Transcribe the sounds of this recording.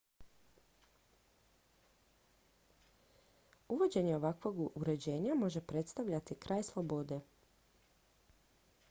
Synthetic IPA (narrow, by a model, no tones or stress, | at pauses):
uʋo̞d͡ʑe̞ɲeo̞ʋakʋo̞ɡuɾe̞d͡ʑe̞ːɲamo̞ʒe̞pɾe̞t̪st̪aʋʎat̪ikɾʔaːjslˠobo̞d̪e̞